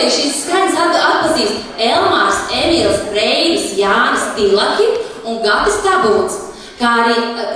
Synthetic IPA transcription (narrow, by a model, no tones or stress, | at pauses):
iːʃisːkaɾɲʲsat̪at̪̚paziːst̪ | ɛlˠmaɾsɛmiɾˠsɾɛjnɨsjaːnɨst̪ilˠaxʲi | uŋɡapɨst̪abulˠt̪s | kaːaɾiː